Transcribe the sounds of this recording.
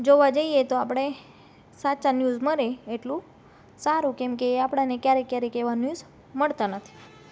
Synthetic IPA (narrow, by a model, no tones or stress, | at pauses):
d͡ʒoʋad͡ʒəijet̪oapɽ̃e | sat͡ʃanjuzməɾeeʈlũ | saɾũkemkeapɽ̃anekjaɾekjaɾekeʋanjuz | məɭt̪anət̪ʰi̥